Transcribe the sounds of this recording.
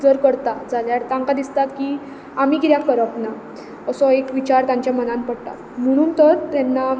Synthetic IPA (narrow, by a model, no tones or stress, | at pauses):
d͡zəɾkəɽt̪ad͡zʱaljaɾt̪ãŋkad̪ist̪at̪ki | amiːkiɾjakkːəɾəpna | əsɔekʋit͡ɕaɾt̪jãɲt͡ɕjamənãnpəɽt̪a̰t̪m̤əɽ̃uːnt̪əɾt̪ɛnːa